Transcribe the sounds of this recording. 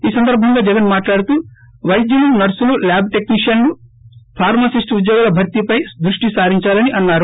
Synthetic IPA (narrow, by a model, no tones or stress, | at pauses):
iːsɐnd̪ɐɾbʱɐŋɡaːd͡ʒɛɡɐnmaːʈlaːɽut̪uː | ʋɐjd̪jɐlunɐɾsululaːbʱʈe̞kniʂjɐnlupʰaːɾmɐsisʈud̪joːɡalɐbʱɐɾt̪ipɐjd̪ɾuʂʈisaːɾiɲt͡ʃaːlɐniʔɐnːaːɾu